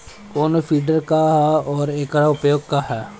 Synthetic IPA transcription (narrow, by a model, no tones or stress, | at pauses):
koːnofʰiːɖəɾkaɦɛɔːɾeːkɾaʊpjoːɡ̚kaɦɛː